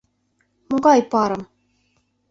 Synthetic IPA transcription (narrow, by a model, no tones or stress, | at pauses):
mɤɡɑjpɑɾɤ̆m